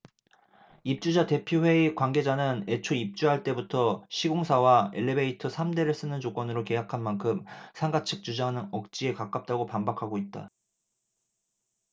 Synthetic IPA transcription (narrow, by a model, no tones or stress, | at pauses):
ip̚t͡ɕ͈ud͡ʑate̞pʰjoɸwe̞ikwaŋɡe̞d͡ʑanɯne̞t͡ɕʰoip̚t͡ɕ͈uɦaɭt͈e̞butʰʌɕʰiɡoŋsʰawaḛɭːebeitʰɯsʰamde̞ɾɯɭs͈ɯnɯnt͡ɕok͈wʌnɯɾoke̞jakʰanmankʰɯmsʰaŋɡat͡ɕʰɯk̚t͡ɕ͈ud͡ʑanɯnʌk̚t͡ɕ͈ie̞kak͈ap̚t͈aɡopambakʰaɡoit̚t͈a̰